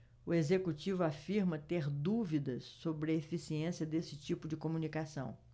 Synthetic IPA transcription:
ʊezekut͡ʃivʊafiɾmɐt̪eɾd̪uvid̪ɐsːobɾɪɐefisiẽsiɐd̪esɪ̥t͡ʃipʊd͡ʒɪkomunikasɐ̰̃w̃

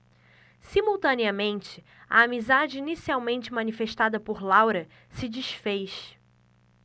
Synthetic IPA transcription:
simuwt̪ɐ̃niɐmẽnt͡ʃɪ | ɐ̰amizad͡ʒɪinisiawmẽnt͡ʃɪmɐ̃nifeʃt̪ad̪ɐpoɾlawɾɐ | sɪd͡ʒiʃfejʃ

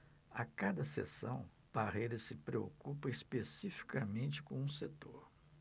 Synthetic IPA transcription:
a̰kad̪ɐsḛsɐ̰̃w̃ | paʁejɾɐsɪpɾeo̰kupɐispesifi̥kɐmẽnt͡ʃɪ̥kõũset̪oɾ

